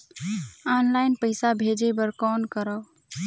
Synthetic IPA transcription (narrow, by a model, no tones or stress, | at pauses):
ɔnlaɪnpəɪsabʱed͡ʒebəɾkɔːnkəɾəː